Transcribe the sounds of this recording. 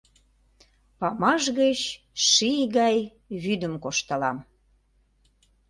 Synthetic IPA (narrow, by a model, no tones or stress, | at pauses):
pɑmɑʒɣət͡ɕ | ʃijɣɑj | βyd̪əmkoʃt̪əlɑm